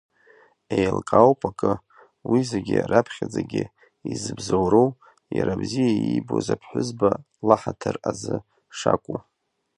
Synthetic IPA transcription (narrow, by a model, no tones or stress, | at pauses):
ejlkʼawpʼʰakʼɨ | wizeɡʲɪrapʰχʲad͡zaɡʲɪ | izɨbzowɾow | jaɾabzijaibozapʰħʷʊzba | laħatʰɨrazɨ | ʂakʷʼu